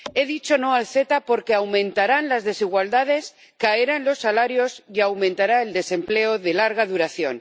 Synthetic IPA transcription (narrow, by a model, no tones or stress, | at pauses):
e̞ðit͡ʃo̞no̞alθe̞t̪apo̞ɾke̞awmẽnt̪aɾanlazðe̞siɣ̞wald̪að̞e̞s | kaeɾaenlo̞sːalaɾjo̞siawmẽnt̪aɾae̞ld̪e̞se̞mple̞oðe̞laɾɣ̞aðuɾaθjo̞̰n